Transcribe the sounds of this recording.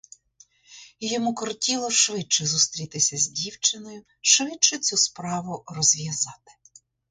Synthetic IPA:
jɔmukɔrtʲilˠɔʃʋɪt͡ʃɛzust̪ɾʲit̪ɪsʲɐzʲdʲiwt͡ʃɪnɔjʊ | ʃʋɪt͡ʃɛt͡sʲuspɾɑʋʊrɔzʲʋʲjɐzɑt̪ɪ̥

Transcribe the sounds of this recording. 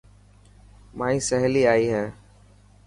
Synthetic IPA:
maːĩːsəɦliːaːiːɦɛ̃ː

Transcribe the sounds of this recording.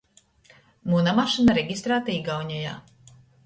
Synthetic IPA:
munamaʃinaɾɛɡʲist̪ɾaːt̪aiɡawɲɔja̰ː

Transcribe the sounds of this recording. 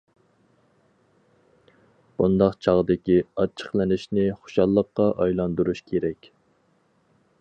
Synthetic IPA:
b̥und̪ɑqt͡ʃʰɑʁd̪ɪkʲiɑt͡ʃʰə̥χlˠɪnɪʃnɪχo̥ʃɑlˠːəqːɑʔɑjlˠɑnd̪uɾuʃkʲʰeɾɛkʲ

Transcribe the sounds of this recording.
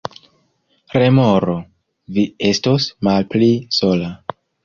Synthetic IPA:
ɾe̞moɾo | vie̞stosmalplisola

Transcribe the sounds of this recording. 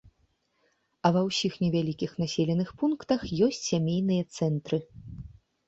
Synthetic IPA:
ɐvɐwsʲixnʲɛvʲalʲikʲixnasʲelʲɛnɨxpunkt̪ɐxjɔsʲt͡sʲsʲamʲejn̪ɨjɐt̪sɛnt̪ɾɨ

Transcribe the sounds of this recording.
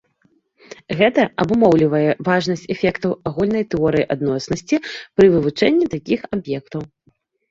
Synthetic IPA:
ɣɛt̪ɐɐbumɔwlʲivɐjɛvaʐnɐsʲt͡sʲɛfʲɛkt̪ɐwaɣulʲnɐjt̪ɛɔɾɨjiʔad̪nɔsnɐsʲt͡sʲipɾɨvɨvut͡ʂɛnʲːit̪akʲixabjɛkt̪ɐw

